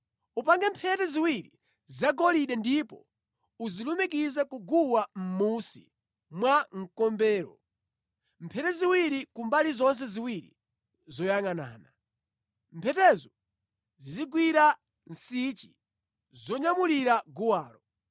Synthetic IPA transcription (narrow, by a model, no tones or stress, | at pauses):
upaŋɡɛmpʰɛtɛziwiɾi | zaɡɔliɗɛndipɔ̰ | uzilumikizɛkuɡuwam̩musḭ | mwaŋ̩kɔmbɛːɾɔ̰ | mpʰɛtɛziwiɾikumbalizɔns̬ɛziwiɾḭ | zɔjaŋana̰ːna | mpʰɛtɛzɔ | ziziɡwiɾa | n̩sit͡ʃi̥ | zɔɲamuliɾaɡuwaːlɔ